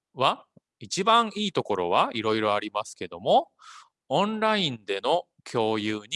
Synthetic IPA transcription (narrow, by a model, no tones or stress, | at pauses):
βa | it͡ɕibãɰ̃iːt̪oko̞ɾo̞̰β̞aiɾo̞iɾo̞aɾʲimasɨ̥ke̞d̪o̞mo̞ | õnɾaĩnd̪e̞no̞ | kʲʰo̞ːjɯːɲ̟i